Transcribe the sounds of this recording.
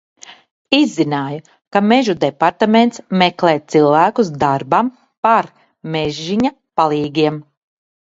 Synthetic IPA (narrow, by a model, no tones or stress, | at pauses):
izːinaːju | kameʒud̪epaɾt̪ament̪smɛklˠɛːt̪silˠvæːkusd̪aɾbam | paɾ | mɛʒːiɲa | palˠiːɡʲiɛm